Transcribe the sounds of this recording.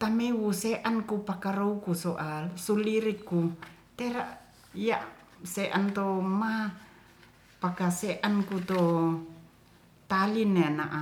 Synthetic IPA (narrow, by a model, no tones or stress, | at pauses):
t̪amewuseʔankupakaɾoukusoʔalsuliɾikːut̪eɾaʔ | ijaʔ | seʔant̪oma | pakaseʔankut̪o | t̪alinːeanaʔa